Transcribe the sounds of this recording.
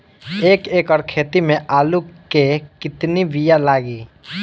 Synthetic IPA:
eːkeːkɔːɾkʰeːt̪imẽʔaːlukekɪt̪niʋijalaːɡiː

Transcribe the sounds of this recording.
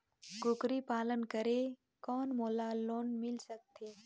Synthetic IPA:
ɡʊkɾipaːlənkəɾe | kɔːnmoːlaloːnmɪlsək̚t̪ʰeː

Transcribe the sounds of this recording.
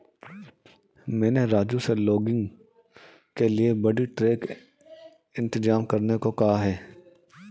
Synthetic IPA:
mɛ̃ːneɾaːd͡ʒuselɔːɡɪ̃ŋɡ | keliebɐɽiʈɾeːk | ɪ̃nt̪ɪd͡ʒaːmkɐɾnekokɐɦaɦɛː

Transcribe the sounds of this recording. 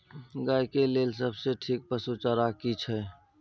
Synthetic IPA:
ɡajkelelsəbseʈʰik̚pəsut͡ʃəɾakit͡ʃʰɛ

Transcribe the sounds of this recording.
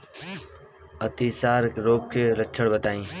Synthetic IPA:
ət̪iːsaːɾɪkɾoːp̚kʰeːlət͡ʃʰəɽbət̪aːĩː

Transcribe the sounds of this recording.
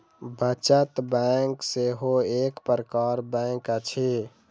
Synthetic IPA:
bət͡ʃət̪bɛŋkseɦoekpəɾəkaɾbɛ̃ŋkət͡ʃʰi

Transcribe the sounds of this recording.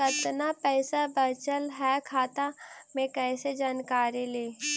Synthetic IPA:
kɐt̪napɛːsabɐt͡ʃəlɦɛkʰaːt̪amẽkɛːsed͡ʒaːnkaːɾileː

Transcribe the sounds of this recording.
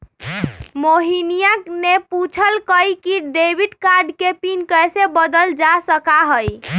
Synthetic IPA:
moɦinijakneput͡ʃʰəlkəjkiɖebiɖkaɾɖkepinkəjsebəd̪əld͡ʒasəkaɦəj

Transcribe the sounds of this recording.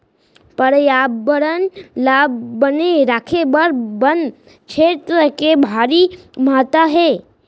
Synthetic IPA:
pəɾjaːbːəɾənlaːbːəneɾaːkʰebəɾbən | t͡ʃʰeːt̪ɾəkebʱaːɾi | maːt̪aɦeː

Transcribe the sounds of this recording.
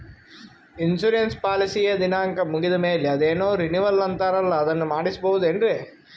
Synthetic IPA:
insuːɾenspaːlisiːjɐd̪inaːŋkɐmuɡid̪ɐmeːleɐd̪eːnoːɾiniʋɐlːɐnt̪aːɾɐlːɐːd̪ɐnːumaːɽisibɐʋud̪uenɖɾeː

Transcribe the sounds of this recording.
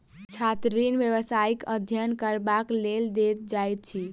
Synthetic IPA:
t͡ʃʰat̪ɾinʋjəʋəsaikəd̪ʱjənkəɾbakleld̪et̪̚d͡ʒajt̪̚t͡ʃʰi

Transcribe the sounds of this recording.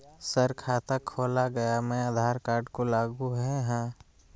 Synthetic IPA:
səɾkʰaːt̪əkʰːoːlaɡɐjamɛ̃ad̪ʱaːɾkaːɾɖkolaːɡuɦɛɦãː

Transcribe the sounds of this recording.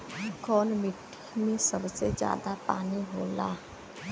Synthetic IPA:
kɔːnmɪʈʰːimẽsəbsed͡ʒja̰ːd̪apa̰ːniɦoːla̰

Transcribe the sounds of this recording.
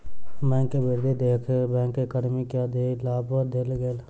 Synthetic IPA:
mɛ̃ŋkːebʱiɾd̪ʱid̪ekʰbɛ̃ːŋkːekəɽmikeəd̪ʱilabəd̪elɡeːl

